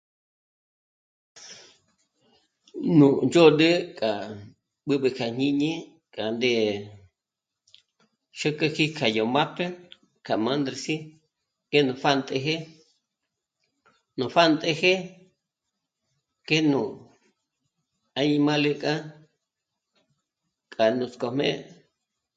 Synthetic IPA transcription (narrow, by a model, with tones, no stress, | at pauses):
nũ˨nd͡ʒo˦ɗə˦kʼa˨ | ɓɨ˦ɓɨ˧kʰa˨ɲ̥ĩ˦ɲẽ˦ | kʼa˨nd̪e˧ | ʃə˦kə˦˧ki˦kʰa˨jo˨ma˦pʰe˦ | kʰa˨mã˦nd̪ɾe˧si˦ | ke˦nũ˧fa˦nt̪ʼe˧ɦe˦ | nũ˧˨fa˦nt̪ʼe˧he˦ | ke˦nũ˧˨ | a˧ɲĩ˧mã˦le˧kʼa˦ | kʼa˨nũ˧t͡sko˧mḛ̃˦